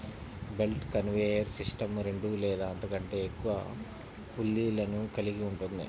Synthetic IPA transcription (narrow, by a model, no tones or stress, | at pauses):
be̞lʈkɐnʋeːjɐɾsisʈɐmɾe̞ɳɖulɛːd̪aːɐnt̪ɐkɐɳʈe̞ːkːuʋɐ̰ | pulːiːlɐnukɐliɡiuɳʈund̪ḭ